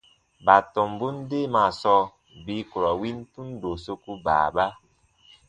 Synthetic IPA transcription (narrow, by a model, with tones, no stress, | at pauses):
ba˨tɔ˨mbu˦n˦de˦ma˨sɔ˦ | bi˨˦ku˨ɾɔ˨wi˦n˦tu˦n˦do˨so˦ku˦ba̰˨ba˦